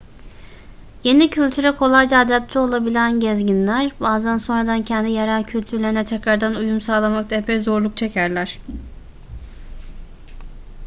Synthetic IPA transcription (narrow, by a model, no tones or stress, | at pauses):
je̞nicʰylʲt̪ʰyɾɛkʰo̞lˠajd͡ʒaːd̪æp̚t̪ʰɛo̞lˠabilʲænɟɛzɟinlʲæɾbaːzænso̞nɾad̪ancʰɛnd̪ijaɾalˠcʰylʲt̪ʰyɾlʲe̞ɾinɛt̪ʰɛcɾaɾd̪anujumsaːlˠamakt̪ʰaɛpʰɛjzo̞ɾlˠuk̚t͡ʃʰe̞cʰæɾlʲæɾ̥